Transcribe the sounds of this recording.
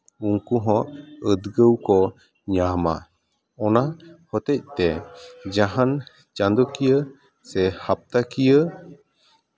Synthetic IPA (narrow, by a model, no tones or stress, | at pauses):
uŋkuɦɔ̃ʔəd̪ɡəwkɔ | ɲama̰ | ɔnahɔt̪ɛc̚t̪ɛd͡ʒaɦan | t͡ʃand̪ɔkijə | sɛhap̚t̪akijə